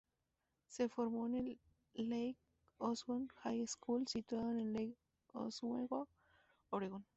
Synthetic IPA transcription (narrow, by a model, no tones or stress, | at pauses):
sefoɾmoenelː | ejk | oswonxajeskulsit̪waðoenelːejk | o̰sweɣo | oɾeɣon